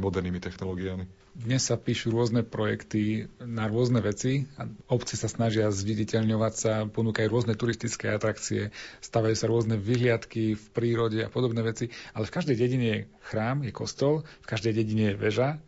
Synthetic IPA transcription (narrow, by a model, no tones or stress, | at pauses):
mɔd̪ɛɾniːmit̪ɛxnɔlɔːɡiami | d̪ɲɛsːapiːʃuɾʊɔznɛpɾɔjɛ̰kt̪inaɾʊɔznɛʋɛt͡siaɔpt͡sisasnaʒɪazʋiɟicɛʎɲɔʋacsapɔnuːkajuɾʊɔznɛt̪uɾist̪it͡skɛːat̪ɾakt͡siɛst̪aːʋajuːsaɾʊɔznɛʋiɦlɪat̪kifpɾiːɾɔɟɛa̰pɔd̪ɔbnɛːʋɛt͡sialɛfkaʒd̪ɛjɟɛɟiɲɛjɛxɾaːmjɛkɔ̰st̪ɔlfkaʒd̪ɛjɟɛɟiɲɛjɛʋɛʒa